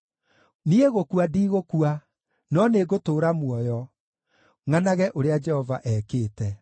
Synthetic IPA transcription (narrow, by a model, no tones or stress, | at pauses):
nieɣokuadiːɣokua | nɔneɡotoːɾamwɔjɔ | ŋanaɣɛʔoɾead͡ʒɛhɔvaʔɛːkeːtɛ